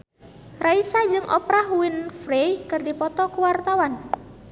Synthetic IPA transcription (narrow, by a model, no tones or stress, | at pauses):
raisad͡ʒɨŋʔɔ̰pɾahwɪnfɾejkɨrdipɔt̪ɔkuwart̪awan